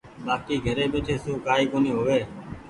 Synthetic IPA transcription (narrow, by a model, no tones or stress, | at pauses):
baːkiːɡʱəɾeːɓeːʈʰeːsoːkaːiːkoːniːɦoːʋeː